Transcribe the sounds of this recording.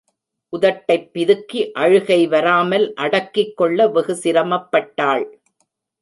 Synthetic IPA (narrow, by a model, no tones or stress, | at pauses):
ʔʊðɐʈːɐɪpːɪðɯkːiʔɐɻɯɣɐɪʋɐɾaːmɐlʔɐɽɐkːɪkːɔɭːɐʋɪɣɯsɪɾɐmɐpːɐʈːaːɭ